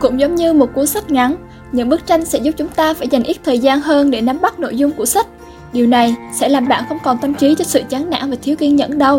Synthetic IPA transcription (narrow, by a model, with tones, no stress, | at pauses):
kʊ̰˧˥ŋ͡mzə˨˦wŋ͡mɲɨ˧mo˨˩t̚ku˨˦əsa˦˥kt̟̚ŋa˨˦n | ɲɨ̰˧˥ŋɓɨ˦˥k̚t͡ɕa˧jŋ̟sɛ̰˧˥zʊ˦˥p̚t͡ɕʊ˨˦ŋ͡mt̪aː˧faː˧˩jza˨˩ŋ̟ʔi˦˥t̚t̪ʰəː˨˩jzaː˧nɦəː˧nɗe˧˩na˨˦mɓa˦˥t̚no̰˧˨jzʊ˧ŋ͡mku˧˩əsa˦˥k̚ | ɗi˨˩əwna˨˩jsɛ̰˧˥laː˨˩mɓaː˧˩nxə˧wŋ͡mkɔ˨˩nt̪ə˧mt͡ɕi˨˦t͡ɕɔ˧sɨ̰˧˨t͡ɕaː˨˦nna̰ː˧˥ŋvaː˨˩t̪ʰi˨˦wki˧ənzə̰˧˥nɗə˧w